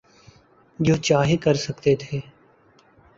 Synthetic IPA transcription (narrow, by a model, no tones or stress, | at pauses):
d͡ʒoːt͡ʃaːɦekɐɾsɐkt̪et̪ʰeː